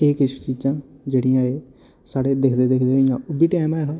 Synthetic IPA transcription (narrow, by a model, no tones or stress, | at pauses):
eːkɪt͡ʃʰt͡ʃiːd͡ʒãːd͡ʒeːɽɪjãːeː | saːɽeːd̪ekʰd̪eːd̪ekʰd̪eːɪjãːʊbiːʈɛːmɛːɦa